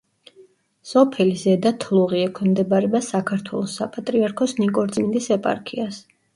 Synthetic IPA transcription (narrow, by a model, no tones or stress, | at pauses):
sɔpʰɛlizɛd̪at̪ʰlˠuʁiɛkʰwɛmd̪ɛbaɾɛbasakʰaɾt̪ʰwɛlˠɔsːapʼat̪ʼɾiaɾkʰɔsnikʼɔɾt̪sʼmind̪isɛpʼa̰ɾkʰias